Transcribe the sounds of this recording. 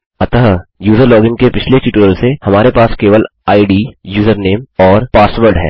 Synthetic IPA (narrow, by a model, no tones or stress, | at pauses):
ɐt̪aːjuːzəɾlɔːɡɪ̃ŋɡkepɪt͡ʃʰleʈiʈəɾəlsehɐmaːɾepaːskeːʋəlaːiɖiːjuːzəɾneːmɔːɾpaːsʋəɾɖɦɛ̰ː